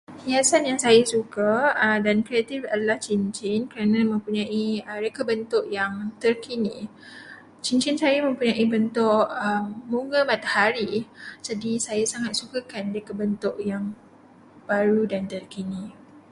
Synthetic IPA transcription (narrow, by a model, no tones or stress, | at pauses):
hiasanjaŋsajasukadankɾiat̪ifadalaht͡ʃint͡ʃɪnkəɾanãmə̃mpuɲãʔiəɾekəbənt̪ʊʔjaŋt̪ərkʰinḭ̃ | t͡ʃiɲt͡ʃɪnsajamə̃mpuɲãʔibənt̪ʊʔəmːuŋɡəmat̪ahaɾid͡ʒadisajasaŋat̪̚sukakanrekəbənt̪ʊʔjaŋ | b̥aɾudant̪ərkini